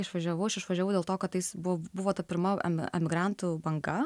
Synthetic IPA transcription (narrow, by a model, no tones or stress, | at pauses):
ɪʃʋɐʒʲɛʋɐʊɐʃɪʃʋɐʒʲɛʋɐʊdʲeɛlˠt̪oːkɐt̪tɐjɪsbʊbʊʋoːt̪ɐpʲɪɾmɐɛ̰mʲɪ̰ɛ̰mʲɪɡɾɑˑnt̪ubɐŋɡɐ